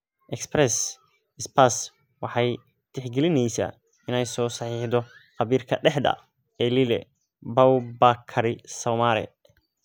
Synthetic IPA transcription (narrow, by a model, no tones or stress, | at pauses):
ʔɛksprɛs | ɪspʰas | wɑħɑj | t̪ʰɛħɡɛlɪnɛjsa̰ː | ɪnɛjsɔːsɑħiːħd̪ɔχɑβiːrkʰɐɖɛħd̪ɐ̰ | ɛːlilɛ | bɐwbakʰɐɾɪsɔwmaɾɛ̰